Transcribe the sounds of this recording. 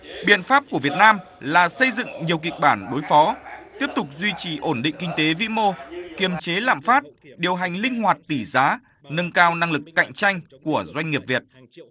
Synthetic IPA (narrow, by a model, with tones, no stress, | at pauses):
ɓi˧˩ənfaː˦˥p̚ku˧˩vi˨˩ət̚naː˧m | laː˨˩sə˧jzɨ̰˧˨ŋɲi˨˩əwki˨˩k̚ɓaː˧˩nɗo˨˦jfɔ˨˦t̪i˦˥əp̚t̪ʊ˨˩k͡p̚zwi˧t͡ɕi˨˩ʔo˧˩nɗḭ̈˧˨ŋ̟kï˧ŋ̟t̪e˨˦vḭ˧˥mo˧ki˧˩əmt͡ɕe˨˦la̰ː˧˨mfaː˦˥t̚ɗi˨˩əwɦa˨˩jŋ̟lï˧ŋ̟ɦwaː˨˩t̚t̪i˧˩zaː˨˦ | nə˧nkaː˧wna˧ŋlɨ˨˩kːa̰˧˨jŋ̟t͡ɕa˧jŋ̟ku˧˩əzwa˧jŋ̟ŋi˨˩əp̚vi˨˩ət̚